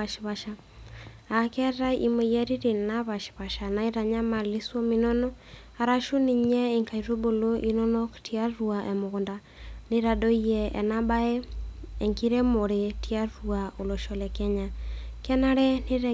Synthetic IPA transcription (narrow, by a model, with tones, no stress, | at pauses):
a˨ʃi˨βaʃa˨ | a˨kɛ˦ɾa˦ḭ˦mo˨jɛ˦ɾi˦ɾi˨na˦βa˨ʃi̥˨βa˨ʃa˨na˨iɾa˨ɲa˦ma˨li˦swɔ˦minɔ˦nɔ˦ | a˨ɾa˦ʃu˦ni˨ɲɛ˦i˨ŋka˨i˨ɾo˦bo˨lo˦ʔi˦nɔ˦nɔ˦ktia˦ɾuaʔɛ˨mo˨ɣo˨nda˨ | ni˦ɾa˨do˦i˦ɛ̰ː˨na˦ba˦ɛ˦ɛ˨ŋki˦ɾɛ˦mo˨ɾe˨ti˦a˦ɾua˨o˨lo˨ʃɔ˨lɛ˨kɛ˦ɲa˨kɛ˦na˦ɾɛ˦ni˦ɾɛ˨